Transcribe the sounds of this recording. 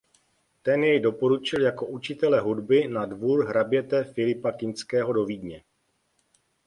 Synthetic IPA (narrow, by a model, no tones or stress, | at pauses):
t̪ɛnjɛjdo̞po̞ɾut͡ʃɪljako̞ʔut͡ʃɪt̪ɛlɛɦudbɪnadvuːɾɦɾabjɛt̪ɛfɪlɪpakɪnskɛːɦo̞do̞viːdɲɛ